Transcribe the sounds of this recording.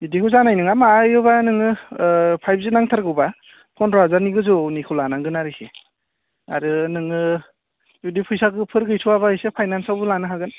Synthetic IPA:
idikʰɯzanajnɯŋamaːjɯbanɯŋɯpʰajb̚zinaŋtʰaɾɡɯba | pʰɔnɾazaɾniɡɯzunikʰulanaŋɡɯnaɾɯse | a̰ɾɯnɯŋɯ | judipʰɯjsaɡɯpʰɯɾɡɯjtʰuwaβahɯjsepʰajnansawbɯlanɯɦaɡɯn

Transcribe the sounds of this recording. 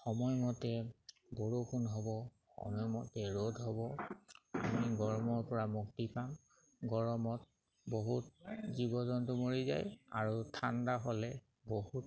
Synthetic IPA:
xɔmɔjmɔtɛ | boɹukʰunɦɔbɔ | xɔ̰mɔjmɔtɛɹodʱɦɔbɔ | a̰miɡɔɹmɔɹpɔɹamuktipam | ɡɔɹɔmɔt̚ | boɦutzibɔzɔntʊmoɹiza̰ja̰ɹutʰandaɦɔlɛ | bohut̚

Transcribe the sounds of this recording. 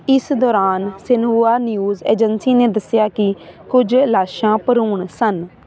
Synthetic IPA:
ɪsd̪ɔːɾaːnsɪnɦuːaːnijuːzḛːd͡ʒənsiːneːd̪əsjaːkɪkʊd͡ʒlaːʃãːpəɾuːɳsən

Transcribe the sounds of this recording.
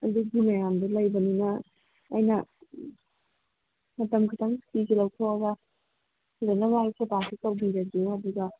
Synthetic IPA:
ɐd̪uɡimɐjamdɐlɐjbɐninɐː | jnɐ | mɐtɐmkʰitʰaŋkikilɐwtʰoɐɡɐ | uzanɐmasebasikawbiɾɐɡaduɡɐ

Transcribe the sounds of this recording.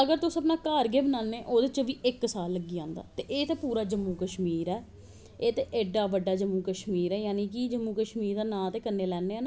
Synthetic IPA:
əɡəɾt̪ʊsːəpnaːkaːɾɡeːbənãːnːeːʔoːd̪ɪt͡ʃəʋiːʔɪksaːlːəɡːiːãːnd̪a̰ːt̪eːʔeːt̪eːpuːɾaːd͡ʒəmːuːkəʃmiːɾɛː | eːt̪eːʔeːɖaːʋəɖːaːd͡ʒəmːũːkəʃmiːɾɛːjaːniːk̬id͡ʒəmːũːkəʃmiːɾd̪aːnãːt̪eːkənːeːlɛːnːeːɛːna

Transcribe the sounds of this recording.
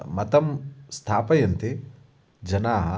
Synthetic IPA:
mɐt̪ɐmst̪ʰaːpɐjɐnt̪i | d͡ʒɐnaːɦɐ

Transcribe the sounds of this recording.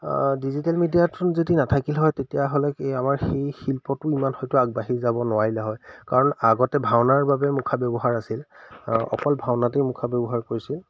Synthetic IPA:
dizitalmidijatʰʊnzetinatʰakilɦɔjtetijaɦolɛkamaɹxejxilpɔtʊimanxɔjtʊaɡ̚baɦiɹzabɔnʊwaɹilɛɦɔjkaɹɔnaɡɔtɛbʱawnaɹbabɛmukʰabjɔbɔɦaɹasilɔ̰kɔlbʱawnatejmukʰabɔbɔɦaɹkoɹisil

